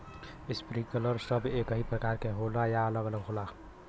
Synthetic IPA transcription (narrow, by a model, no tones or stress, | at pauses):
ɪspɾiːkələɾsəbeːkəɦipɾəkaːɾkeɦoːlajaələɡələɡɦoːla